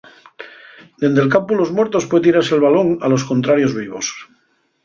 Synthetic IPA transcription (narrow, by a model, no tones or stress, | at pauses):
d̪e̞nd̪e̞lkampulo̞zmweɾt̪o̞spwe̞t̪̬iɾaɾselβalo̞ŋa̰lo̞sko̞nt̪ɾaɾjo̞zβiβ̞o̞s